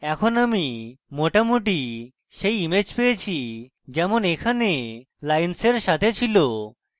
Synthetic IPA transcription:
ɛkʰonamimoʈamuʈ̬i | ʃejimed͡ʑpejet͡ɕʰi | d͡ʑɛmonekʰane | lajnseɾʃat̪ʰet͡ɕʰilo

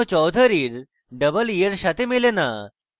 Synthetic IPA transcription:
t͡ɕɔwd̪ʱəɾiːɾ | ɖəbəlijəɾɕat̪emilena̰

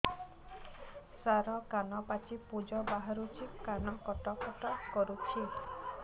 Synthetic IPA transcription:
saɾɔkanɔpat͡ʃipud͡ʒɔbaɦaɾut͡ʃʰikanɔkɔʈɔkɔʈɔkɔɾukʰi

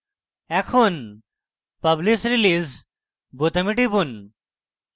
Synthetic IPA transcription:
ɛkʰon | pɐblisɾiliz | bot̪ɐmiʈibun

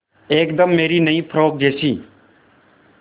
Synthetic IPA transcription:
eːkd̪əmːeːɾiːnəĩːpʰɾoːk̚d͡ʒeːsiː

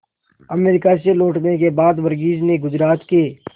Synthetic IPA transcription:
əmeːɾɪkas̬eloːʈnek̬ebaːd̪ʋəɾɡiːd͡ʒneɡʊd͡ʒɾaːt̪keː

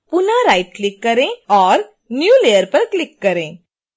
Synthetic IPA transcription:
pʊnaɾaɪʈ̚klɪkːɐɾẽɔːɾ | njuːlejəɾpɐɾklɪkːɐɾẽ

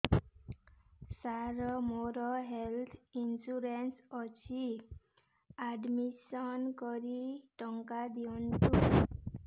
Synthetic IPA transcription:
saɾɔmoɾɔɦelt̪ʰinsuɾensʌt͡sʰi | aɖmisɔnkɔɾiʈʌŋkad̪iɔntu

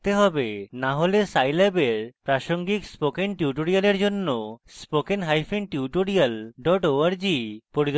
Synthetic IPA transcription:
t̪eɦɔbenaɦolesajlɛbeɾpɾaʃoŋɡikspokenʈjuʈoɾialeɾd͡ʒonːospokenɦajfʰinʈjuʈoɾialɖɔʈoaɾd͡ʒipoɾid̪

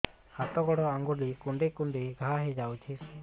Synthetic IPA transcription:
hat̪ɔɡɔɽɔaŋɡulikuɳɖekuɳɖiɡʱaɦed͡ʒawt͡ʃʰi

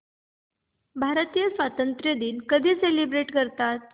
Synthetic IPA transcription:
bʱaɾt̪ijəsʋat̪ənt̪ɾjəd̪iːlkəd̪ʱiselibɾeʈkəɾt̪at̪̚

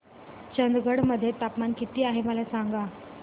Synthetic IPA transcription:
t͡ɕənd̪ɡəɽməd̪ʱːjet̪apmankit̪iːaɦeməlasaŋɡa

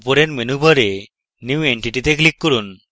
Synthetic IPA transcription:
poɾeɾmenubʱɔɾe | njiueɳʈiʈit̪eklikːoɾun

